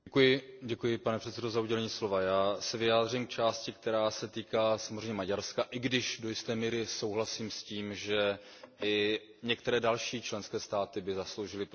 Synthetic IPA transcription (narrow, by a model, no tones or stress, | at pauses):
ɛkujɪɟɛkujɪpanɛpr̥ɛt̪sɛdo̞zauɟɛlɛɲiːslo̞vajaːsɛvɪjaːd̪r̝iːmk̚t͡ʃaːscɪk̚t̪ɛɾaːsɛt̪iːkaːsamozrɛjɲɛmaɟaɾskaʔɪɡdɪʒdo̞jɪst̪ɛːmiːɾɪsowɦlasiːmsciːmʒɛ | ʔɪ | ɲɛk̚t̪ɛɾɛːdalʃiːt͡ʃlɛnskɛːst̪aːt̪ɪbɪzaslowʒɪlɪp